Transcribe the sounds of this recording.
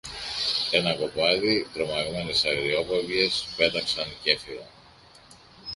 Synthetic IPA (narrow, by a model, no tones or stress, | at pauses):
e̞nɐko̞pɐðit̪ɾo̞mɐɣme̞ne̞sɐɣɾio̞povʝe̞spe̞t̪ɐksɐnce̞filɐ̰